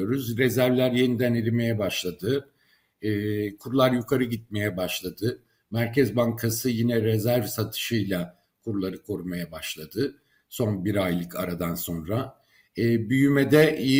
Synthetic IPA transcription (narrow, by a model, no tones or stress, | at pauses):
o̞ɾuzɾezæɾvlʲæɾje̞nid̪æniɾime̞jɛbaʃlˠad̪ɯː | kʰuɾulˠaɾjukʰaɾɯɟit̪̚me̞jɛbaʃlˠad̪ɯ | mæɾcʰɛzbaŋkʰasɯjinɛɾɛzæɾvsat̪ʰɯ̥ʃɯjlˠa | kʰuɾulˠaɾɯkʰo̞ɾumajabaʃlˠad̪ɯ | so̞nbiɾajlˠɯkʰaɾad̪anso̞nɾaː | byjymɛd̪ɛʔi